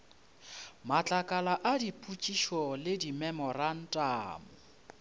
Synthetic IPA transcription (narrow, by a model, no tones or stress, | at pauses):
mat͡ɬʼakʼalaʔadipʼut͡ʃʼiʃɔlɪdimɛmɔran̩tʼaːmʊ